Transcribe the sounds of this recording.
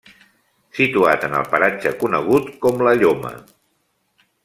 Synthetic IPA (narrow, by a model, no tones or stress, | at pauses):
sit̪uat̪ənə̰lˠpəɾad͡ʒəkunəɣ̞ut̪kɔmləʎomə̰